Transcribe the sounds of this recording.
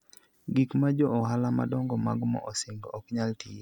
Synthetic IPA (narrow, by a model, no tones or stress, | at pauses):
ɡikmad͡ʒɔʔɔɦalama̰dɔŋɡɔmaɡmɔ̰ʔɔseŋɡoɔkɲalti